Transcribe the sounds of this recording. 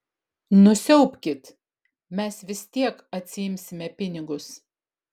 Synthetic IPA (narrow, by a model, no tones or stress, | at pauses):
nʊsʲɛʊpʲkʲɪt̪ | mʲɛsʋʲɪst̪ʲiɛkɐt̪ʲsʲɪjɪmʲsʲɪmʲɛpʲɪnʲɪɡʊs